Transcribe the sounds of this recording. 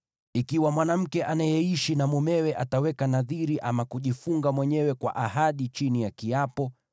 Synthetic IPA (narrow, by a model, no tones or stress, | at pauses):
ikiwamwanam̩kɛʔanajɛiʃinamumɛwɛʔatawɛkanaðiɾiʔamakuʄifuŋɡamwɛɲɛwɛkwa̰ʔaɦaɗit͡ʃinijakiapɔ